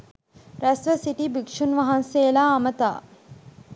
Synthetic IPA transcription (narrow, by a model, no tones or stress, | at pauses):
ɾæsʋəsiʈibikʂunʋaɦanseːlaːmət̪a̰ː